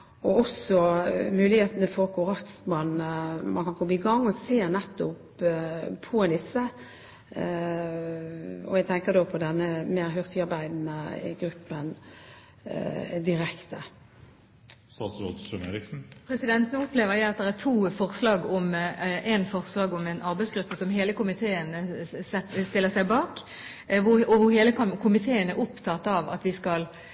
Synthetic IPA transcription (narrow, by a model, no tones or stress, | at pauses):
ɔɔsɔmʉːlɪheːt̪ənəfɔɾkʰʊɾɑkt̪smɑnmʔɑ̰nkɑnkʰɔbəɪɡɑŋːɔseːnɛt̪ːʊpʰː | ɔɛd̪ɪsːə | ɔ̰ɛɡ̚t̪ʰɛŋkəd̪oːpʰɔd̪ɛnːəmeːɾɦʏʁt̪ɪɑɾbæɪd̪nəɡɾʉpːən | d̪ɪɾɛkt̪ə | st̪ɑːt̪sɾo̰t̪sɔnḛːɾɪksn̩pʰʁɛsɪd̪ɛnt̪nːʊpleːʋəʁjæɪɑt̪̚d̪ɛʁæʁt̪ʰuːfɔʁslɑːɡɔmʔɛnfɔʁslɑːɡɔmɛnʔɑɾbæɪsɡɾʉpːəsɔmɦeːləkʊmɪt̪ʰeːənəsɛst̪ɪlːəsæɪbɑːk | ʋʊɔʋʊɦeːləkkʰʊmɪt̪ʰeːənæʔʊpt̪ʰɑt̪ːɑʋɑ̰t̪ʋɪskɑl